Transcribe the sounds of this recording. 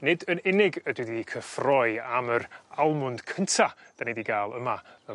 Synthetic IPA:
nɪdənɪnɪɡədwidiikʰəfrɔɨaməɾalˠmʊnd̥kʰəntʰa | d̥anediɡaːlˠəmaə

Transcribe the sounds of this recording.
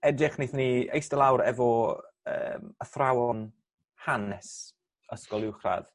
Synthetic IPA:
ɛdɪχniθniḛjstəlˠawɾɛvɔ | ə̰ːməθrawɔn | hanɛs | əskɔlˠɪwχra̰ð̥

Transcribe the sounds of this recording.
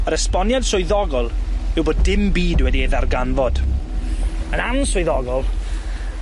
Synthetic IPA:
əɾəspɔnjad̥sʊjðɔɡɔlˠɪwboːdːɪmbiːdwɛdieðarɡanvɔd̥ | ənansʊjðɔɡɔlˠ

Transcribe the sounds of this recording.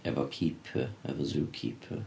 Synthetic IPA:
ɛvɐkʰiːpʰəæ̰vɐzuːkʰḭːpʰə

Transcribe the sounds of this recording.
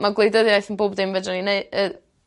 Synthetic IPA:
maɡlˠejdəðiajθənboːbdɪmvɛdɔnineɨə

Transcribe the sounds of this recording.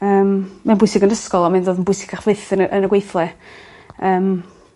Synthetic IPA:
əːmːanmbʊɨsɪɡənəskɔlˠɔmɪndoːdənbʊjsɪɡ̥kʰaχv̥ɪθənʔənəɡwejθlˠɛ | əːm

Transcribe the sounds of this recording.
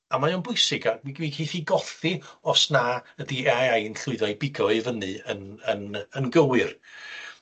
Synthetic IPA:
amajonbʊɨsɪɡawiwikʰejθiɡɔθiɔsnaədiɛajajnɬʊɨðɔjbɪɡɔɨvənɨənənənɡəwɨr

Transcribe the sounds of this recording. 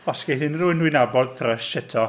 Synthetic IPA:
ɔsɡ̥ejθɪnrʊɪnwɪnabɔlθrɛʃɪtʰɔ

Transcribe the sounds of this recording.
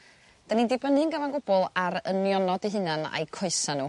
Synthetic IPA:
d̥anindebənɨnɡəvanɡʊbɔlˠaɾənjɔnɔdiɦɨnana̰jkʰʊɨsanuː

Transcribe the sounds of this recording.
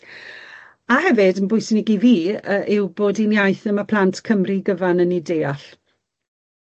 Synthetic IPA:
ahɛvɪdənbʊjsnɪɡiviːəʔɪwboːdinjajθəməpʰl̥antʰkʰəmriɡəvanənideːaɬ

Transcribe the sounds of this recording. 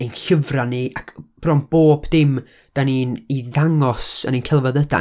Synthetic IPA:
enɬəvraniakʰb̥rɔmb̥oːb̥dɪm | d̥aniːniðaŋɔsə̰ninkʰɛlˠvɔðəda̰

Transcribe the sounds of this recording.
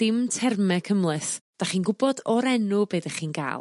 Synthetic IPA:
d̥ɪmtʰɛrmɛkʰəmlˠɨθd̥aχiːnɡʊbɔdɔɾɛnʊbeːdaχiːnɡa̰ːlˠ

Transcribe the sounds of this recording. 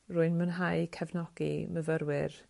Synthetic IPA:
rʊɨnmənɦajkʰɛvnɔɡ̥ḭməvəɾwɪr

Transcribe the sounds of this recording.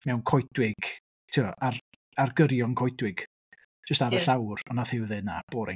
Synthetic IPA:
mɛwnkʰɔjdwɪɡ̥ | tʰɪaar | arɡəɾjɔŋkʰɔjdwɪɡ̥ | d͡ʒəstaɾəɬawrɔnaθɪwðɨna̰b̥oːɾɪ̰

